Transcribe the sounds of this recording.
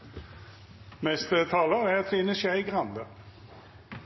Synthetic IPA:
mɛst̪ət̪ʰɑːləʁæʁɑt̪fɪnəʃæɪɡʁɑnd̪ə

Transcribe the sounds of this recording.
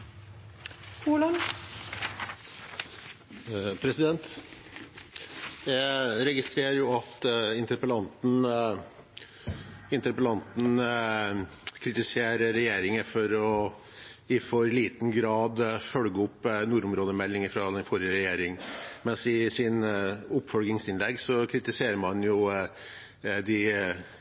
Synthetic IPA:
uːlɑn | pʰɾɛsɪd̪ɛnt̪ | jæɾɛɡɪst̪ɾeːɾəɾjʊɑt̪ɪnt̪əɾpəlɑnt̪n̩ | ɪnt̪əɾpəlɑnt̪n̩ | kʰɾɪt̪ɪseːɾəɾɛjeːɾɪŋəfɔɾɔ | ɪfɔɾliːt̪ən̩ɡɾɑːd̪fœlɡəʊpnuːɾʊmɾoːd̪əmɛlːɪŋəfɾɑd̪ɛnfɔɾjəɾɛjeːɾɪŋmɛnsɪsɪnʊpːfɔlɡ̪ɪŋsɪnlɛɡːsɔkʰɾɪt̪ɪseːɾəmɑnjʊ | d̪ɪ

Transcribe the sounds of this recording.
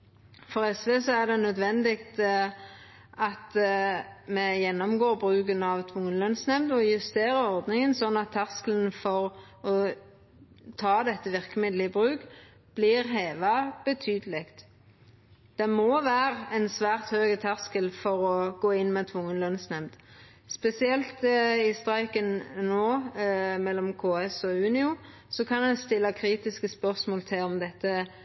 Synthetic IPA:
fɔʁɛsʋeːsɔæʁd̪ɛnœd̪ʋɛnd̪ɪkt̪ | ʔɑt̪ | mɛjɛnːɔmɡoːʁbʁʉːkənɑʋt̪ʰʋʊŋːənlœnsnɛmd̪ɔjʉst̪eːɾəɔʁd̪nɪŋənsɔnːɑt̪ʰːæʁskələnfɔʁ | ɔ | t̪ʰɑːd̪ɛt̪ːəʋɪʁkəmɪd̪lɪəbʁʉːk | b̥liʁɦeːʋɑb̥ət̪ʰyːd̪əlɪkt̪ | d̪̥ɛmɔʋæːʁəɛnsʋæːʁt̪høːɡət̪ʰɑʁskəlfɔɾɔɡ̥oːɪnːmɛt̪ʰʋʊŋːənlœnsnɛmd̪̥ | spɛsɪɛlt̪ɪst̪ʁɑɪkənnoːmɛlːɔmkʰoːɛsɔʉːnɪʊ | sɔkʰɑnɛnst̪ɪlːɑkʰɾiːt̪ɪskəspœʁsmoːlt̪ʰɪlɔmd̪ɛt̪ːə

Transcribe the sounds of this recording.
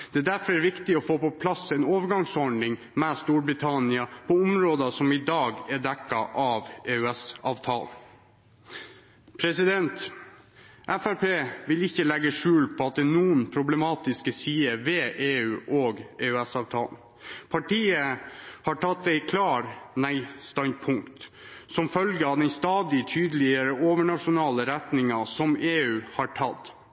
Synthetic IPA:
d̪̥ɛːd̪æɾfɔɾɛɾʋɪkt̪ɪɔfoːpɔpʰlɑsɛnoːʋəɾɡɑŋsɔɖɳɪŋ | mɛst̪uːɾbɾɪt̪ʰɑnɪɑpʰɔʊmɾoːd̪ɑsɔmɪd̪ɑːɡɛɖ̪ɛkːɑʔɑʋeːʉɛsɑːʋt̪ʰɑ̰ːln | pʰɾɛsɪd̪ɛnt̪ | ʔæfæɾpeːʋɪlɪçːəlɛɡəʂʉːlpʰɔɑt̪̚d̪ɛnuːənpʰɾʊblɛmɑːt̪ɪskəsiːəʋɛʔeːʉːʔoːɡeːʉɛsɑːʋt̪ʰɑ̰ːln | pʰɑʈiːəhɑʈʰɑt̪ːæɪkʰlɑːɾnæɪst̪ɑnpʰʊŋkt̪ | sɔmfœlɡəɑʋd̪ɛnst̪ɑːd̪ɪt̪ʰyːd̪əlɪəɾəoːʋəɳɑʂʊnɑːləɾɛt̪nɪŋɑsɔmeːʉːhɑʈʰɑt̪ː

